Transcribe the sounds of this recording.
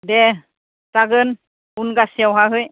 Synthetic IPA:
de | taɡɯn | unɡasiawɦaɦɯj

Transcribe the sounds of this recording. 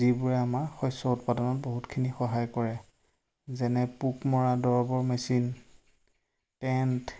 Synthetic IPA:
zibuɹɛamaɹxɔjsɔutpadɔnɔt̚boɦutkʰinixɔɦajkɔɹɛ | zɛnɛpukmɔɹadɔɹɔbɔɹmɛsin | tɛnt

